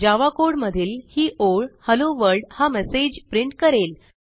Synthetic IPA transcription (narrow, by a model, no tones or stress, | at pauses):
d͡ʑaʋakoɽməd̪ʱiːlhiːʔoɭhəloʋəɾɖhamɛsed͡ʑpɾiɳʈ̚kəɾel